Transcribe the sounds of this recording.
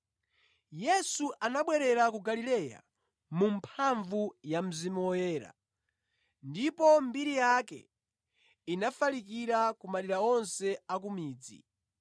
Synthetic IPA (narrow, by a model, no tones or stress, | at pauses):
jɛsuʔanaɓwɛɾɛɾakuɡalilɛja̰ | mumpʰaɱvujam̩zimuwɔjɛːɾa̰ | ndipɔmbiɾijakɛ̰ | inafalikiɾakumaliɾaɔnsɛak̬umiːd͡zḭ